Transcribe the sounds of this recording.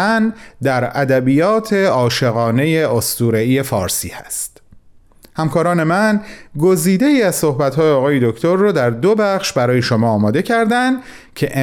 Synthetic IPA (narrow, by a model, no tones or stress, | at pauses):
ænd̪æɾæd̪æbijɒːt̪ʰe̞ɒːʃe̞ɣɒːne̞je̞ost̪uːɾeiːje̞fɒːɾsḭːhæ̰st̪ | hæmkʰɒːɾɒːne̞mænɡo̞ziːd̪e̞iːæzso̞hbæt̪hɒːjeɒːɣɒːje̞d̪okʰt̪ʰoɾːɒːd̪æɾd̪obæxʃbæɾɒːje̞ʃomɒːmɒːd̪e̞cʰæɾd̪ænd̪ | cʰe̞ʔe